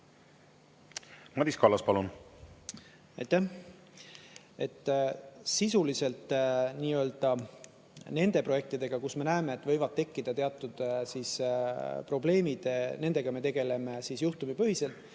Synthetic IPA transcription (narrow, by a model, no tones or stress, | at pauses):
mɑd̪iskɑlɑspɑlun | ɑjt̪ːæh | e̞t̪ːˑsisulise̞lt̪niːø̞ld̪̥ɑ | ne̞nd̪̥e̞pro̞je̞k̚t̪id̪e̞ɡ̥ɑkusme̞næeme̞ːt̪ːˑvɤ̞jvɑdt̪̚t̪ːe̞kːid̪̥ɑt̪e̞ɑt̪ːˑud̪̥sispro̞ble̞ːmid̪̥ne̞nd̪e̞ɡ̥ɑme̞t̪e̞ɡe̞le̞me̞siːsjuht̪umipɤ̞ɦise̞lt̪ːˑ